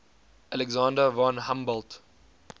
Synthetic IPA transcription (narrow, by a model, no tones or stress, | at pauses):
ʔalɛɡzãːndəvɑ̃nhãmbɔlt